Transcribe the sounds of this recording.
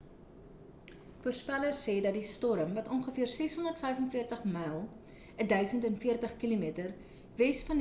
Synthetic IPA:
fuərspælərsːɛːdɐt̚distɔɾəmvɐtɔnχəfiərsɛsɦɔndərtfɛjfənfiərtəχmɛjlˠ | ədœɥsəntɛnfiərtəχkilumiətər | vɛsfɐn

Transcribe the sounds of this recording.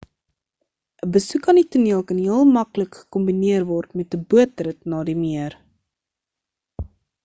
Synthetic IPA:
əbəsukɐnituniəlˠkɐnɦiəlˠmɐkləkχə̥ɔmbiniərvɔrtmɛtəbuət̚rətnɑːdimiər

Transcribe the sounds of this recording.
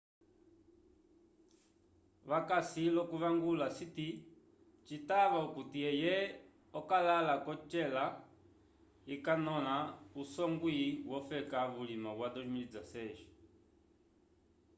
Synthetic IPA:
βakasilɔkuβaŋɡulasiti | t͡ʃitaβaukutiɛjɛ | ɔkalalakɔt͡ʃɛla | ikanɔlausɔŋɡwiwɔfɛkaβulimaβwadɔʃumilid͡zasɛʃɔ̥

